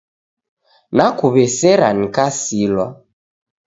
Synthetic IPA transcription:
nakuβɛsɛɾanikasilwa

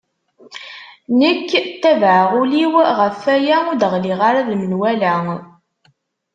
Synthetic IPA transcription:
nəkːt̪ːævʕəʁuliwʁəfæjæud̪əʁliʁaɾaðmənwælæ

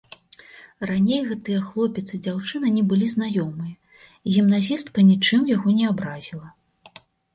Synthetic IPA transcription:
ranʲejɣɛt̪ɨjɛxlˠɔpʲɛt̪sɨd͡zʲawt͡ʂɨnɐnʲɛbɨlʲiznajɔmɨjɐ | iɣʲimnazʲist̪kɐnʲit͡ʂɨmjaɣɔnʲɛabɾazʲilˠɐ

